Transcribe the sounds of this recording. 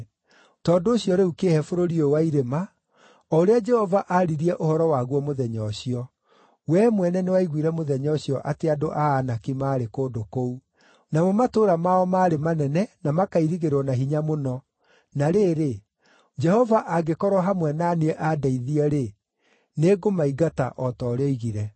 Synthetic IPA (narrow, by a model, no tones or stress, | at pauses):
tɔːndoːɕjɔɾeukehɛfoɾoɾiowaiɾema | ɔoɾead͡ʒɛhɔvaʔaɾiɾiɛʔohɔɾɔwaɣwɔmoðɛɲɔɕiɔ | wɛmwɛnɛnewaiɣwiɾɛmoðɛɲɔɕiɔʔateadoʔaːnakimaːɾekoːdokou | namɔmatoːɾamaɔmaːɾemanɛnɛnamakaiɾiɣeɾɔnaɦiɲamonɔ | naɾeːɾe | d͡ʒɛhɔvaʔaɡekɔɾwɔɦamwɛnaːniɛʔadaiðiɛɾe | neːɡomaiɡata̰ʔɔtɔːɾeɔiɣiɾɛ